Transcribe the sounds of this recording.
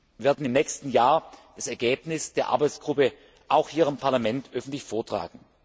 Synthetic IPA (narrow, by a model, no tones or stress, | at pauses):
vɪːɐdn̩ɪmnɛːçstn̩jaːɐd̥asɛɐɡeːpnɪsd̥eːɐʔa̰ɐbaɪt͡ssɡ̥ʁʊpə | ʔaʊxhiːɐʁampʰaɐlamɛntʔœfn̩tlɪçfoːɐtʁ̥a̰ːɡŋ̩